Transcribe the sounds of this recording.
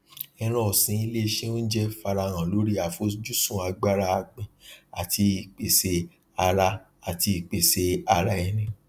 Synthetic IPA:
ɛ̃˧ɾ̃ɔ̃˦˨sĩ˧˦i˦˧le˦˧ʃe˦õ˦n̩˦d͡ʒɛ˦fa˧ɾa˧˨ɾ̃ã˨lo˨˦ɾi˦a˨fo˨˦sd͡ʒu˦sũ˦˨a˧ɡ͡ba˦˧ɾa˧a˧k͡pĩ˨a˨ti˧i˨k͡pe˨se˧ | a˧ɾa˦ | a˨ti˧i˨k͡pe˨se˧a˧ɾa˧i˨˧˨nĩ˨

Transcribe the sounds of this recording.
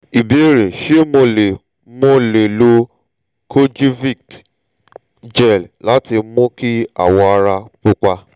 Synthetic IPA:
i˨be˨˦ɾe˨ʃe˦mo˧le˨ | mõ˧le˨lo˧ | kʰo˦d͡ʒi˦vi˦˨kt | d͡ʒɛ˦˨lla˨˦ti˧mɔ̃˦ki˦a̰˨wɔ˧a˧ɾa˧k͡pu˦k͡pa˧

